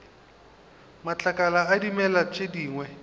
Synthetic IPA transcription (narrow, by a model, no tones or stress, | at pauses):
mat͡ɬʼakʼalaːdimɛlat͡ʃʼediːŋwɛ